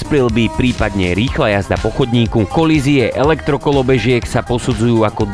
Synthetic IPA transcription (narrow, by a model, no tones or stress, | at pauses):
spɾilbipɾiːpad̪ɲɛɾiːxlajazd̪apɔxɔd̪ɲiːkukɔliziɛʔɛlɛkt̪ɾɔkɔlɔbɛʒɪɛksapɔsud͡zujuːakɔ